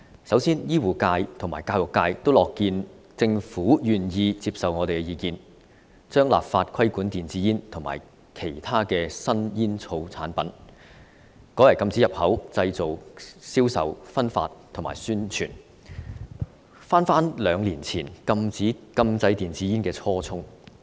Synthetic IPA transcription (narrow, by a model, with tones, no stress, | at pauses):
sɐ˨˥wsiː˥njiː˥wuː˨˩kaː˧jt̪ʰʊ˨˩ŋmaː˨˩jkaː˧wʊ˨˩kːaː˧jt̪o˥wlɔː˨˩kːiː˧n | t͡sɪ˧ŋfuː˨˥jyː˨˩njiː˧t͡siː˧p̚sɐ˨wŋɔ˨˧ɾe˨jkɛ˧jiː˨˧kiː˧n | t͡ʃœː˥ŋla̰ː˨p̚faː˧t̚kʰɐ˥jkuː˨˥nt̪iː˨˩nt͡siː˨˥jiː˥nt̪ʰo˨˩ŋma̰ː˨˩j | kʰe˨˩jt̪ʰaː˥kɛː˧sɐ˥njiː˥nt͡sʰo˧wt͡sʰa̰ː˨˥npɐ˨˥n | kɔː˨˥jɐ˨˩jkɐ˧mt͡si˨˥jɐ˨p̚hɐ˨˥wt͡sɐ˧jt͡so˨wsiː˥wsɐ̰˨wfɐ˥nfa̰ː˧tt̪ʰŋma̰ː˨˩jsyː˥nt͡ʃʰy̰ː˨˩n | faː˥nfaː˥nlœː˨˧ŋliː˨˩nt͡sʰiː˨˩nkɐ˧mt͡siː˨˥kɐ˧mt͡sɐ˧jt̪iː˨˩nt͡siː˨˥jiː˥nkɛː˧t͡sʰɔː˥t͡sʰʊ˥ŋ